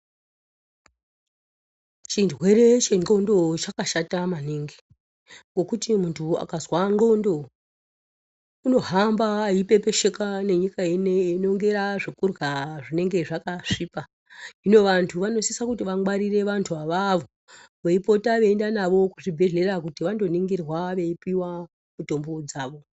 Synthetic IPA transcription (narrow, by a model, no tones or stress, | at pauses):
t͡ʃindwe̞ɾe̞t͡ʃe̞ŋo̞ndo̞t͡ʃakaʃatamaniŋɡi | ŋɡo̞kutimuntʰua̰kazwaɳɡo̞ndo̞ | uno̞ɦambaːipe̞pe̞ʃe̞kane̞ɲikaeneino̞ŋɡe̞ɾaʐekurɣaʐine̞ŋɡe̞ʐakaʂipa | ino̞ʋantʰuʋano̞sisakutiʋaŋwaɾire̞ʋantʰuʋaʋaʋo | ʋeipo̞taʋe̞ːndanaʋo̞kuʐibʱe̞ɮe̞rakutiʋando̞niŋɡirwaʋe̞ipiwa | muto̞mbod͡zaːʋo̞